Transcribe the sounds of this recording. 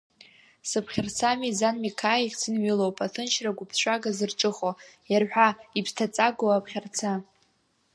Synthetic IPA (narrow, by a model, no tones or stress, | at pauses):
sɨpʰχʲart͡sʰamizanmikʰaiχʲt͡sʰɨnɥilowpʼatʰɨnʃraɡʷʊpʰʃʷʼaɡazɨrʈ͡ʂʼɨχojarħʷᶣaipʰstʰat͡sʼaɡowapʰχʲart͡sʰa